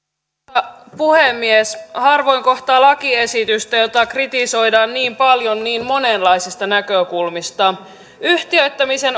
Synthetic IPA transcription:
puhemːieshɑrʋo̞jŋko̞ht̪ɑːlɑkie̞sit̪yst̪æjo̞t̪ɑkrit̪iso̞jdɑːnniːmpɑljo̞nːiːnmo̞ne̞nlɑjsist̪ɑnækøkulmist̪ɑ | yht̪iøjt̪ːæmise̞n

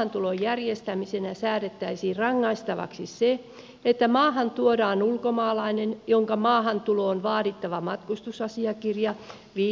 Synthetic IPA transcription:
ɑnt̪ulojjærjest̪æmisenæsæːɾet̪ːæisiːrɑŋːɑist̪ɑʋɑ̰ksise | et̪ːæmɑːhɑnt̪uodɑːnulkomɑːlɑinenjoŋkɑmɑːhɑnt̪uloːnʋɑːɾit̪ːɑʋɑmɑt̪kust̪usɑsiɑkirjɑ | ʋiː

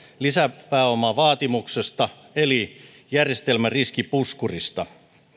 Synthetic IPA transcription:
lisæpːæːomɑʋɑːt̪imuksest̪ɑ | eli | jærje̞st̪elmæriskipuskurist̪ɑ

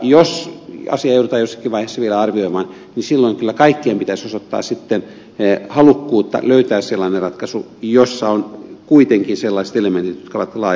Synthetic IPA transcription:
josɑ̰siɑeut̪ut̪ɑːjosːɑ̥kiʋɑiheˑsːɑʋielæɑrʋioimɑːn | nisilːoiŋkylːækɑikːiempit̪æsosot̪ːɑ̰ːssit̪ːen | hɑlukːuːt̪ːɑ̰løyt̪æːsselːɑːnerɑt̪kɑsu | josːɑonkuit̪eŋkinselːɑist̪element̪it̪jot̪kɑʋɑt̪lɑː

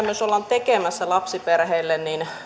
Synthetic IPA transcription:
møsolːɑnt̪ekemæsːælɑpsiperheilːennin

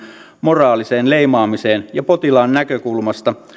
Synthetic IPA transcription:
morɑːliseːnleimɑːmiseːnjɑpot̪ilɑːnːækøkulmɑst̪ɑ

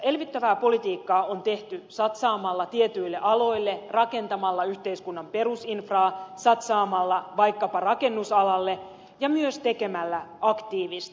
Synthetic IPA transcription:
elʋit̪ːæʋæːpo̞lit̪iːkːɑːont̪e̞ht̪ysɑt̪sɑːmɑlːɑt̪iet̪yjlːeʔɑlo̞ilːerɑke̞nt̪ɑmɑlːɑyçt̪e̞iskunːɑmpe̞rusinfrɑːsɑt̪sɑːmɑlːɑʋɑjkːɑpɑrɑke̞nːusɑlɑlːe̞ | jɑmyøst̪e̞ke̞mælːæɑkt̪iːʋist̪

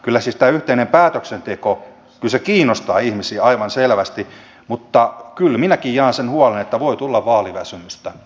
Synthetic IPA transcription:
kylːæsist̪æyht̪einempæːt̪øksent̪eko | kylsekiːnːost̪ɑːihmisiːɑiʋɑnselʋæst̪i | mut̪ːɑkylminækijjɑːnsenhuɑlenet̪ːæʋoit̪ulːɑʋʋɑːliʋæsymyst̪æ

